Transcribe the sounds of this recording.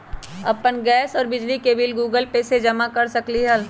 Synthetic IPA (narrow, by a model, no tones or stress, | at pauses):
ɐ̰pənɡɛːsɔːɾbɪd͡ʒlikebɪlɡuːɡəlpesed͡ʒɐmakɐɾsɐkliɦɐl